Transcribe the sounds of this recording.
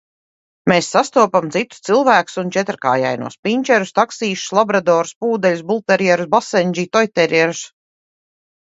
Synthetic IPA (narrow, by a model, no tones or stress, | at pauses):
meːsːast̪uɔpamt̪sit̪ːu̥st̪silˠvæːku̥sunt͡ʃɛt̪ɾka̰ːja̰jnṵɔspʲiɲʲt͡ʃɛɾust̪aksiːʃu̥slˠabɾad̪ɔːɾuspuːd̪ɛlʲus̬bulˠt̪ɛɾjɛɾusbasɛnʲd͡ʒiːt̪ɔjt̪ɛɾɛɾus